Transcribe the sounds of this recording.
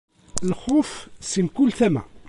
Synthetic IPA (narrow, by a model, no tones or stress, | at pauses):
lχʊfsimkulθæmæ̰